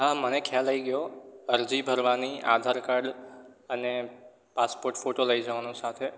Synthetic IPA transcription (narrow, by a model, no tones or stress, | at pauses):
ɦamənekʰjaləiɡəjoəɾd͡ʒibʱəɾʋaniʔa̰d̪ʱaɾkaɾɖəne | paspoɾʈfoʈoləid͡ʒəʋanosat̪ʰe